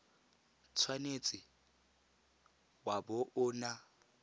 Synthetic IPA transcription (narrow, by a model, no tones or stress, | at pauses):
t͡sʰwanet͡sʼɪ | bwabʊʔʊːna